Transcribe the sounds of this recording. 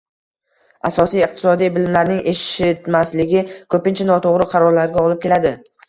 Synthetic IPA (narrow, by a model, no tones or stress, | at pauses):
asɒsijɨq̚t̪ʰɪsɒd̪ijbɪlɪmlaɾnɪŋʔeʃɪt̪maslɪɡʲɪkʰɵpɪnt͡ʃʰanɒt̪ʰoʁɾɪqʰɑɾɒɾlaɾɡʲaɒlɪp̚kʲe̞lad̪ɪ